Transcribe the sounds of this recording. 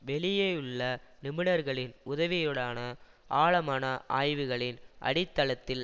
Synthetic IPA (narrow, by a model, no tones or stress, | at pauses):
ʋɛɭɪjeːɯɭːɐnɪmɪɳɐɾɣɐɭɪnʊðɐʋɪjɔɽaːnɐ | ʔaːɭɐmaːnɐʔa̰ːjʋɯɣɐɭɪnʔɐ̰ɽɪt̪ːɐlɐt̪ːɪl